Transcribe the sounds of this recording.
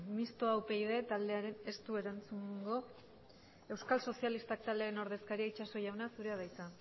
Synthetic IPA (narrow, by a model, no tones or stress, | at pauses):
mist̪oawpe̞jðe̞t̪ald̪e̞aɾe̞ne̞st̪ueɾant͡suŋɡo̞ | e̞wskalso̞sialist̪ak̚t̪ald̪eɾeno̞ɾðe̞skaɾiait͡ʃaso̞jawnasuɾe̞að̞ajt͡sa